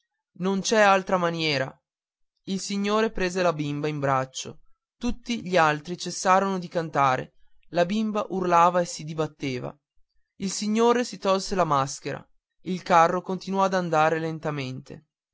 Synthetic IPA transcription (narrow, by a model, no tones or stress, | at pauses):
nont͡ʃɛalt̪ɾamanjɛːɾa | ilsiɲːoːɾepɾeːzelabimbaimbɾat͡ʃːo̰ | t̪ut̪ːiʎialt̪ɾit͡ʃesːaːɾonod̪ikant̪aːɾḛ | labimbaʔurlaːvaesid̪ibat̪ːeːva̰ | ilsiɲːoːɾesit̪ɔlselamask̟eɾa̰ | ilkarːokont̪inwɔad̪and̪aːɾelent̪ament̪ḛ